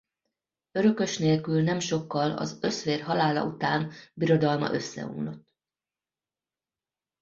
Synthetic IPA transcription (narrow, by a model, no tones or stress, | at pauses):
øɾø̞kø̞ʃneːlkylnɛmʃo̞kːɒlɒ̰zø̞sʋeːrɦɒlaːlɒ̰ut̪aːnbiɾo̞d̪ɒlmɒ̰ʔø̞sːɛ̰ṵːnlot̪ː